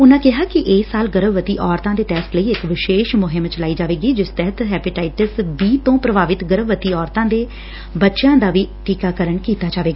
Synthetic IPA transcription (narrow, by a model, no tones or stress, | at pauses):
ʊnãːkɪɦaːkɪʔeːsːaːlɡəɾəʋʋət̪iːʔɔːɾt̪ãːd̪eːʈɛːsʈ̪ləiːɪkʋɪʃeːʃmʊɦɪmt͡ʃəlaːiːd͡ʒaːʋeːɡiːd͡ʒɪst̪ɛɦət̪ɦɛːpɪʈaːɪʈəsbiːt̪õːpɾəbaːʋɪt̪ɡəɾəʋʋət̪iːɔːɾt̪ãːd̪eː | bətːʃãːd̪aːʋiːʈiːkaːkəɾəɳkiːt̪aːd͡ʒaːʋeːɡaː